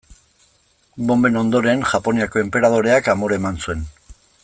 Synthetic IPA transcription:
bo̞mbe̞no̞nd̪o̞ɾe̞nʝapo̞niako̞e̞mpe̞ɾað̞o̞ɾe̞akamoɾemansue̞n

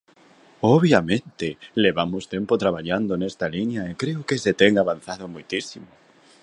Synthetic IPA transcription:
oβ̞jamẽnt̪eleβamost̪empot̪ɾaβ̞aʎand̪onest̪aliɲjaekɾeokeset̪eŋaβan̟θaðomujt̪isimo

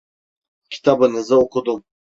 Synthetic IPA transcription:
cʲʰi̥t̪ʰɑbɯnɯzɯokʰud̪um

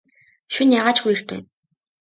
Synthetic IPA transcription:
ʃunjaʁaːt͡ɕxujɘ̆r̥t̪ʰḛː

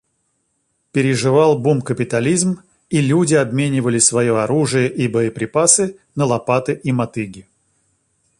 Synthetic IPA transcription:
pʲɪɾʲɪʐɨvalˠbumkəpʲɪt̪ɐlʲizm | ilʲudʲɪɐbmʲenʲɪvəlʲɪsvɐjoɐɾuʐɨjəʔibəjəpɾʲɪpasɨnəlˠɐpat̪ɨʔimɐt̪ɨɡʲɪ

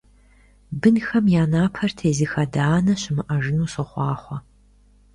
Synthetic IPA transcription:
bɨnxɐmjaːnaːpʰɐrtʰeːzɨxɐdaːnɐɕɪmɨʔɐʐɨnuːɕɨχʷɑːχʷɔ

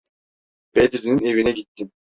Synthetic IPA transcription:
ped̪ɾinine̞vinɛɡit̪ːi

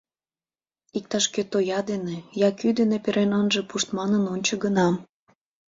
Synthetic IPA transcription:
ik̚t̪ɑʃket̪ojɑd̪enejɑkyd̪enepeɾʔenɑnʒepuʃt̪mɑnənonʲt͡ɕə̆ɡənɑm

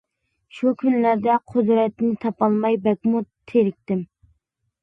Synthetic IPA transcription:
ʃukʲʰynlæɾd̪ɛqʰʊd̪ɾɛt̪nɪt̪ʰɑpɑlˠmɑjbɛk̚ʲmut̪ʰeɾɪk̚ʲt̪ɪm

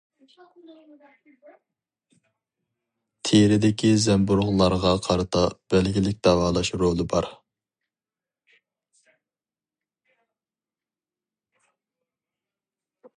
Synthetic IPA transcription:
t̪ʰeɾɪd̪ɪkʲʰizɛmbuɾʁlˠɑɾʁɑqʰɑɾɨt̪ʰɑb̥ɛlɡʲilɪk̚ʲd̪̥ɑvɑːlˠɑʃɾolˠɨbɑɾ

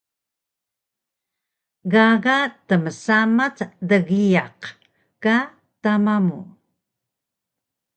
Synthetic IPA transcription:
ɣaɣatəməsamatdəɣijaq | ka | tamamṵ

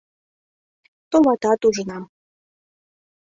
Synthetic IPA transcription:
t̪omɑt̪ɑt̪uʒə̆nɑm

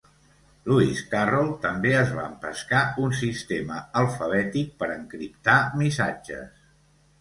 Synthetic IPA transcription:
luiskarɔlˠt̪əmbeəzβa̰əmpə̰skaunsist̪eməəlˠfəβ̞ɛt̪ik̚pəɾəŋkɾipt̪amisad͡ʒə̰s

